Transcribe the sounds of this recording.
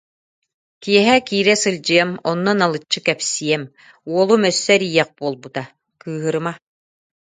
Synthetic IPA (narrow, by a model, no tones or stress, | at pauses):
kijɛɦɛkiːɾɛsɯlʲd͡ʑɯjamɔnːɔnalˠɯt͡ɕːɯkɛpsiɛm | uɔlˠumœsːœɾijɛq̚b̥uɔlˠbut̪a | kɯːɦɯɾɯma